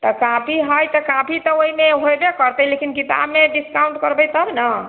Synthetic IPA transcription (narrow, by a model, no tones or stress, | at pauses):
t̪ɔkãpʰiɦəjt̪ɔkãpʰit̪ɔoɦimeɦojbekəɾt̪əjlekinkit̪a̰bmeɖiskaw̃ɳʈkəɾbəjt̪əbnə